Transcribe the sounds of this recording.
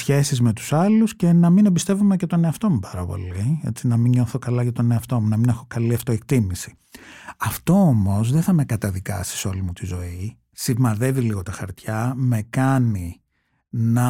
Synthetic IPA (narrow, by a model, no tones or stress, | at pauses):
sçe̞sizme̞t̪u̥sɐlusce̞nɐminebist̪e̞vume̞cet̪o̞neɐft̪o̞mupɐɾɐpo̞̰lie̞̰t͡sinɐmiɲo̞θo̞kɐlɐʝɐt̪o̞ne̞ɐft̪o̞munɐmine̞xo̞kɐliɐft̪o̞ekt̪imisi̥ | ɐft̪o̞omo̞zðeθɐme̞kɐt̪ɐðikɐsi̥so̞limut̪izo̞i | simɐðe̞viliɣo̞t̪ɐxɐ̰ɾt̪çɐme̞kɐni | nɐ